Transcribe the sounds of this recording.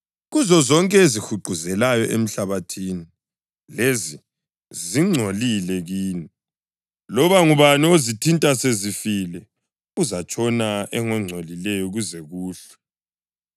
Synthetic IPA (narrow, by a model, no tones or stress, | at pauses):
ɣuzɔzɔŋkʼɛezixuɡ͡ǃʱuzɛlajɔʔem̩ɬaβatʰiːni | lezi | ziŋ͡ǀʱolilɛɣiːni | lɔβaŋuβaniozitʰintʼasezifilɛ | uzat͡ʃʼɔnaɛŋɛŋ͡ǀʱolilɛjɔɣuzɛɣuːɬɛ̥